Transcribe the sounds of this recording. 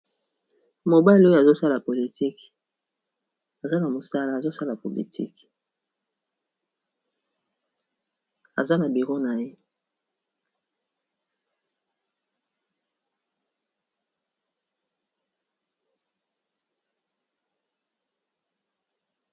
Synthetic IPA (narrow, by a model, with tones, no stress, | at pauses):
mo˨ba˦˨lo˦jo˦a˨zo˦sa˦la˨po˨li˨tʰi˦k | a˨za˦na˨mo˨sa˦la˦˨zo˦sa˦la˨po˨lḭ˨tʰḭ˦k | a˨za˦na˨bi˨ʁo˦na˨je˦